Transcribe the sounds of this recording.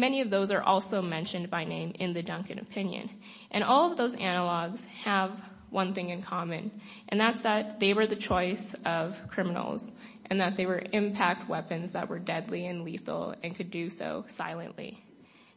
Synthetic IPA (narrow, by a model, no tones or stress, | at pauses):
mɛniʌvðoʊzə˞ʔɔ̰lˠsoʊmɛ̃nʃɨ̃nbaɪnẽɪ̃mɪ̰̃nðɨdʌ̃ŋkɨ̃nɨ̰pʰɪ̃njɨ̰̃n | ʔɨ̃ɾ̃ɔlˠʌvðoʊzænəlɔɡz̥əv | wʌ̃nθɪ̃ŋɨ̃nkʰɑmɨ̃n | ʔɨ̃nðætsðɨt̪̚ðeɪwə˞ðɨt͡ʃʰɔɪsʌv̥kʰɹ̥ɪmənl̩ˠz̥ʔɨ̃nðət̪̚ðeɪwə˞ʔɪ̃mpʰæk̚t̚wɛpɨ̃nzðə̰ʔ̚wə̰˞dɛdˡliɨ̃nliθl̩ˠɨ̃nkʰɨdɨso̰ʊsa̰ɪlˠɨ̰̃nʔlḭ